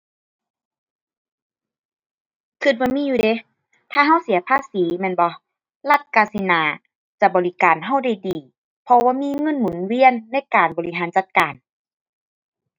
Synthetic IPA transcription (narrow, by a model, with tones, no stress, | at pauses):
kʰɯ˧˩t̪̚bɔː˧˦miː˧˥˨juː˧˨de˧˦ | t̪ʰaː˧˩ɦa˧˥˨wsi˨˩˦ɐpʰaː˧˥˨siː˨˦mɛ˧˥˨nbɔ˧˦ | la˧t̪̚kaː˧˨si˧˦naː˨˧˦ | t͡ɕa˧bɔː˨li˧kaː˨nɦa˧˥˩wda˧˩jdiː˨˩ | pʰɔ˧waː˧miː˧˥˨ŋɤ˧˥˨nmu˨˩˦nwi˧˥˨ənːa˧˥˨jkaː˨˩nbɔː˨˩li˧˦ɦaː˨˦nt͡ɕa˧˩t̪̚kaː˨˩n